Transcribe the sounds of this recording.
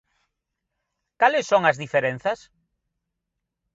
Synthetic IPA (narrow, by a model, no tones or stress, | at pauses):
kalɪsːoŋɐzðifeɾen̟θɐs